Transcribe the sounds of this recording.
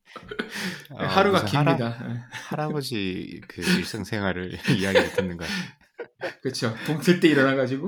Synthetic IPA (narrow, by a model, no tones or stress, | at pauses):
ehaɾuɡakʰiɲɲidajehaɾabod͡ʑikɯiɭs͈ɯŋsʰe̞ŋɦwaɾɯɾiaɡietʰɯnːɯnɡa̰ | kɯt͡ɕʰopoŋsʰet͈eiɾʌnɦaɡad͡ʑiɡu